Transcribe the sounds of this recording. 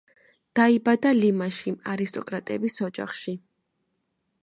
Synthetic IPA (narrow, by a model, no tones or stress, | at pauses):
d̪̥aibad̪alimaʃiaɾist̪ʼɔkʼɾat̪ʼɛbisɔd͡ʒa̰χʃi